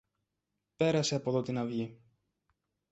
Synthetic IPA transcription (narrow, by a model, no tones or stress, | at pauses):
pe̞ɾɐseɐpo̞ðo̞t̪inɐvʝi